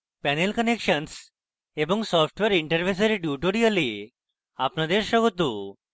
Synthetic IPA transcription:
pɛnelkənekʂəns | ebɔŋsɔfʰʈʋeɾiɳʈəɾfʰes̬əɾiɖjuʈoɾiəli | apnad̪eɾɕɔɡɔt̪u

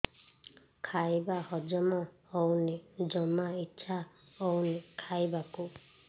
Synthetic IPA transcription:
kʰajbahɔd͡ʒɔmɔ | ɔwnid͡ʒɔmaitːʃʰa | ɔwnikʰajbaku

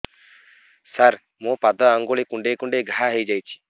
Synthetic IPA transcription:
saɾ | mɔ̃pad̪ɔaŋɡoɭekuɳɖekuɳɖeɡʱaɦaɦejd͡ʒajt͡ʃʰi̥

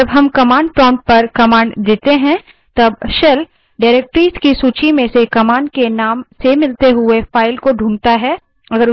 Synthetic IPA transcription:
ɐbɦɐmkɐmãːɳɖ̚pɔːɳɖ̚pɐɾkɐmaːɳɖd̪eːt̪eɦɛ̃ | t̪ɐbʃɐl | ɖaːɾeːk̚ʈɾiːskisuːt͡ʃimẽsekɐmãːɳɖkenaːmsemɪlt̪eɦʊefaːɪlkoɖʱũːɳt̪aɦɛː | ɐɡəɾʊ

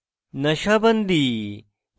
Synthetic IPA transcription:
nɐʃɐbɐnd̪i

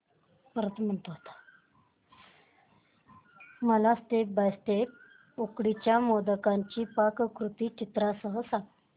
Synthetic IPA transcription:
pəɾət̪m̤əɳt̪oɦot̪ḁ | məlast̪ebajst̪ep̚ | okɽit͡ɕjamod̪əkaɲt͡ɕiːpakkɾut̪iːt͡ɕit̪ɾasəɦəsãŋɡ

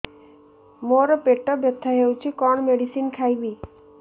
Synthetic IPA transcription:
moɾɔpeʈɔbjɔt̪ʰːaɦewt͡ʃʰikɔɳ̃meɽisinkʰajbi

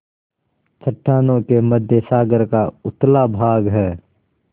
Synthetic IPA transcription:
t͡ʃʰəʈʰːaːnõkeməd̪ʱjəsaːɡəɾkaʊt̪labʱaːɡɦɛː

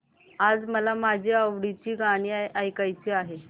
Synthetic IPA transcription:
ad͡zməlamad͡ʑʱiːəʋɽit͡ɕiːɡaɽ̃iːaʔajkajt͡ɕiːaɦe

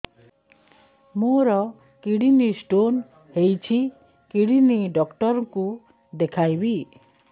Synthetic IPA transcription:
moɾɔ | kiɽinisʈon | hejt͡ʃʰi | kiɽiniɖɔkʈɔɾɔku | d̪ekʰajbi

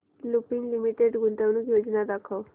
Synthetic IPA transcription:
lupiŋɡlimiʈeɖɡʱunt̪əʋnukjod͡ʑnad̪akʰəw

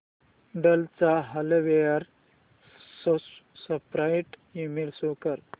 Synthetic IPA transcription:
ɖəlt͡saɦaloʋejəɾ | ssəpɾajʈimilsokəɾ

